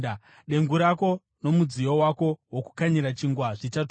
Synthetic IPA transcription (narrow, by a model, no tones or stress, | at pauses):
ɗe̞ŋɡuɾako̞ | no̞mud͡zijowako̞woku̥kaɲiɾat͡ʃiŋɡwaʐit͡ʃat